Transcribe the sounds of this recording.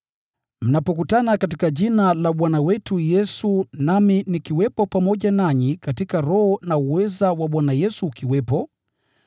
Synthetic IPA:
m̩napɔkutanakatikaʄinalaɓwanawɛtujɛsunaminikiwɛpɔpamɔʄanaɲikatikaɾɔhɔnauwɛzawaɓwanajɛsuːkiwɛpɔ

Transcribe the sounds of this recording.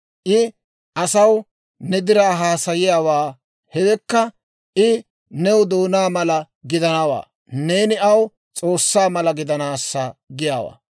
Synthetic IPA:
ʔɪ | ʔɐsɐw | nɛd̪ɪɾaːɦaːsɐjɪjaːwaː | hɛwɛkːɐ | ʔɪ | nɛwd̪oːnaːmɐlɐ | ɡɪd̪ɐnɐwa̰ː | ne̞ːnɪɐw | t͡sʼo̞ːsːaːmɐlɐɡɪd̪ɐnaːsːɐɡɪjaːwa̰ː

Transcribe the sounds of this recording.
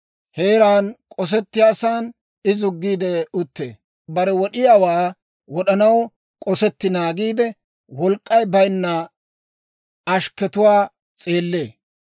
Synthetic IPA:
he̞ːɾaːnkʼɔs̬ɛt̪ːɪjaːsaːn | ɪzʊɡːiːd̪ɛʊt̪ːḛː | bɐɾɛwɔɗɪjaːwaː | wɔɗɐnɐw | kʼɔsɛt̪ːɪnaːɡiːd̪ɛ | wɔlkʼːɐjbɐjnːɐ | ɐʃkɛt̪ʊwaː | t͡sʼe̞ːlːe̞ː

